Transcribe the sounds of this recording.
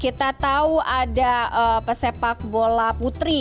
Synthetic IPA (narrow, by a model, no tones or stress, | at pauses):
kit̪at̪auadaəpəsepak̚bolaput̪ɾi